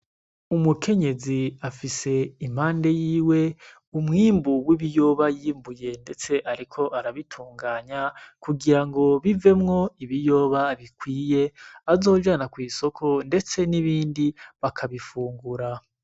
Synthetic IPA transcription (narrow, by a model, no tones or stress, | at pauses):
umukʰe̞ɲe̞ziafise̞im̥haːnde̞jiːwe̞ | umŋiːmbuwiβijo̞ːβajiːmbuje̞nde̞t͡se̞ʔaɾikʰo̞ʔaɾaβitʰuːŋɡaːɲakuɡiɾaŋɡo̞βive̞mŋo̞iβijo̞ːβaβikwiːje̞azo̞ːʒanakwiːso̞kʰo̞nde̞t͡se̞niβiːndiβakʰaβifuːŋɡuɾa